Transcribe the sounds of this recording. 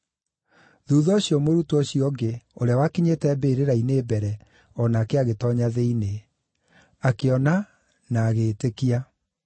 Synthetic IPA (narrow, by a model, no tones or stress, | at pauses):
ðuːðɔɕiɔmoɾutɔɕiɔɡeoɾeawakiɲetɛːbeːɾeɾaineːbɛɾɛ | ɔnaːkeaɣetɔɲaðeine | akeɔna | naːɣeːtekia